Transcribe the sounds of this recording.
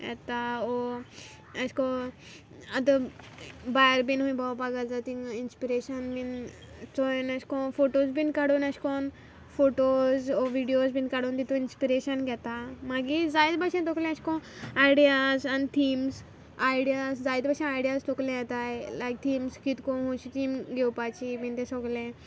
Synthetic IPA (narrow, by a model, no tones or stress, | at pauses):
ɛ̰t̪aɔ | ɐskɔ | ɐd̪ə | bajɾbinɦũĩbawpaɡad͡zat̪ĩŋinspiɾeɕənbin | t͡sɔjnɐskɔ̃foʈozbinkaɽonaskɔn | foʈozɔʋiɖijozbiːnkaɽuːnt̪it̪ũinspiɾeɕənɡʱɛt̪amaɡid͡zajd̪baɕẽt̪oklẽəɕkɔ̃ajɽiazant̪ʰiːms | ajɽijasd͡zajd̪baɕẽajɽijast̪oklɛ̃jɛt̪ajlajk̚t̪ʰiːmskit̪kɔɦuɕit̪iːmɡewpat͡ɕibint̪ẽsɔɡlẽ